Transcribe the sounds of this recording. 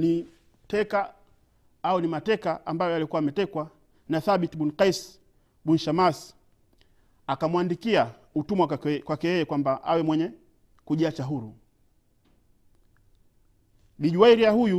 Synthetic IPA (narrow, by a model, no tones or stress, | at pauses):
ni | tɛka | aunimatɛkaambajɔalikuaːmɛtɛkwa | naθaɓitɓunqais | ɓunʃamas | akamwandikia | utumwakwakɛjɛjɛkwambaʔa̰wɛmwɛɲɛ | kuʄiat͡ʃaɦuɾu | liʄuaiɾiahuju